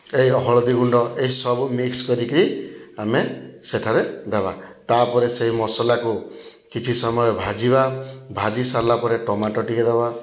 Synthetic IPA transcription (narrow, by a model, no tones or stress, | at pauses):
ejɔɦɔɭɔd̪iɡuɳɖɔʔeɦisɔbumikskɔɾikiɾiameseʈʰaɾed̪aba̰ | t̪apɔɾeseɦimɔsɔlaku | kit͡ʃʰisɔmɔjɔbʱad͡ʒiβabʱad͡ʒisalapɔɾeʈɔmaʈɔʈiked̪aba